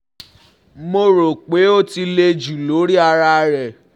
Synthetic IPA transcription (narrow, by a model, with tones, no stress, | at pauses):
mo˧ɾo˨k͡pe˨˦o˦ti˧le˧d͡ʒu˨lo˨˦ɾi˦a˧ɾa˧ɾɛ˨